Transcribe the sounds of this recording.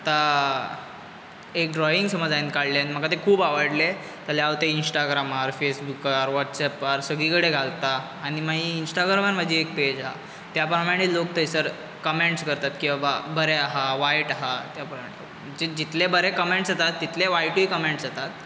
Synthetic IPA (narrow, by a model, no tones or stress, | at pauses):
at̪a | ek̚ɖɾɔiŋɡsəməd͡zainkaɽljanm̤əkat̪ekʰuːbaʋəɽle | t̪aleaʋt̪einsʈaɡɾaməɾfesbukəɾʋɔʈsɛpəɾsəɡɭikəɽeɡʱalt̪aː | ɽ̃imaɦiːnsʈaɡɾaməɾm̤əd͡ʑiek̚ped͡ʑaɦa̰ | t̪japɾəmaɽ̃iːlok̚t̪ʰəjsəɾ | kəmeɳʈskəɾt̪at̪kĩwʋababəɾeaɦaʋajʈaɦat̪japɾmai | d͡ʑed͡ʑit̪lebəɾekəmeɳʈsat̪at̪ːit̪leʋajʈikəmeɳʈsat̪at̪̚